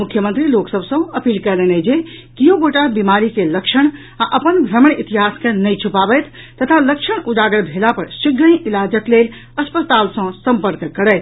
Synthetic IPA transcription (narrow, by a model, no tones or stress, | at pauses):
mukʰjəmənt̪ɾiloksəbʱsə̃əpiːlkəlɛnəd͡ʒekijõɡoʈabimaɾikeləkʃəɽ̃ | aʔəpənbʱɾəməɳit̪iɦaskenəjt͡ʃʰupabəjt̪ʰ | t̪ət̪ʰaləkʃəɳud͡ʒaɡəɾbʱelapəɾsiɡə̃ĩʔilad͡ʒəklel | əspət̪alsə̃səmpəɾkkːəɾət̪ʰ